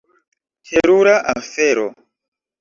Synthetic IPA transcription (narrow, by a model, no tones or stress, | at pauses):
tʰeɾuɾaʔafeɾo̰